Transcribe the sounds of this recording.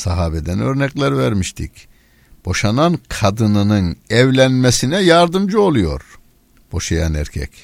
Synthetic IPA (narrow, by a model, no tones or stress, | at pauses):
saɦaːbɛd̪ænøɾnɛclʲæɾivæɾmiʃt̪ʰḭc | b̥o̞ʃanankʰad̪ɯnɯnɯnɛvlʲænmesinɛjaɾd̪ɯmd͡ʒɯo̞lˠujo̞̰ɾ | b̥o̞ʃajanæ̰ɾcʰɛ̰c